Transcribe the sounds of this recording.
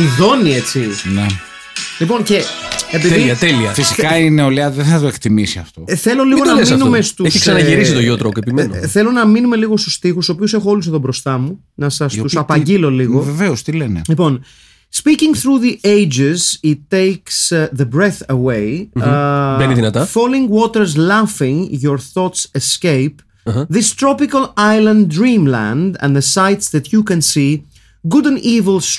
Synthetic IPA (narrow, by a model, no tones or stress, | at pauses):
iðo̞nie̞t͡sine | lipo̞nce̞epiðiɐt̪eliɐfisi̥kɐineoleɐðeθɐt̪oekt̪imisiɐft̪o̞θe̞lo̞liɣonɐmnumest̪uesçiksɐnɐʝiɾisit̪oʝot̪ɾokepimenoθe̞lo̞nɐminume̞liɣo̞st̪u̥st̪ixusoːp̬iuse̞xoo̞lus̬eðobɾo̞st̪ɐmu | nɐsɐst̪usɐpɐɲɟilo̞liɣo̞veveost̪ilenelipo̞n | spicĩŋθɾuðiʔejd͡ʒɪzit̪ːejksðəbɾeθɐwej | eniðinɐt̪ɐfolĩŋwot̪eɾzlɐfĩŋʝoɾθot̪sescejp | ðist̪ɾopikɐlajlɐ̃ndɾĩmlæ̰̃nd̪ɐ̰̃nðəsajt̪sðɐt̪jukɐ̃nsi | ɡud̪ɐ̃nivilˠs